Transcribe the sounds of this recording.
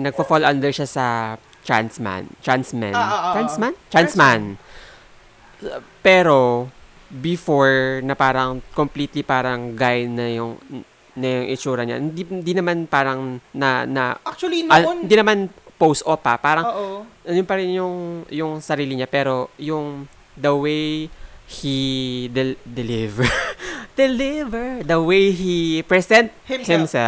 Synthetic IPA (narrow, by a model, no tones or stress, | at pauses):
nɐɡ̚fɐfolʔand̪ɛɹʃasɐ | t͡ʃa̰nsma̰nt͡ʃansma̰ansmant͡ʃansman | pɛːɾo | bɪfoɹnɐpaːɾɐŋkompliːt̪lipaːɾɐŋɡajnɐjʊŋ | nɐjʊŋʔɪt͡ʃuːɾɐɲa̰hɪnd̪ind̪inɐmanpaːɾɐŋnɐnɐ̰akt͡ʃɐlinhɪnd̪inɐmanpowst̪ʔopːɐ̰paːɾɐŋʔɐnʊnpɐɾɪnjʊŋjʊŋsɐɾiːlɪɲapɛːɾo̞jʊŋ | d̪ɐwejhid̪ɛd̪ɛlɪvɛd̪ɛlɪvɛɹd̪ɐwejɦipɹɛsɛnt̪̚hhɪmsɛl